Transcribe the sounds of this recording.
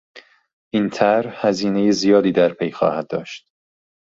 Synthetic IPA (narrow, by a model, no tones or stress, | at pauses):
ʔint̪ʰæɾhæziːne̞jezijɒːd̪iːd̪æɾpʰejxɒ̰ːhæd̪̚d̪ɒːʃt̪